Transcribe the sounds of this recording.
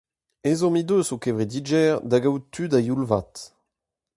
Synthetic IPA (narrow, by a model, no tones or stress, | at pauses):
ezɔ̃mid̪øsokɛvʁed̪id͡ʒɛʁd̪aɡawt̪ʰydajulvat̪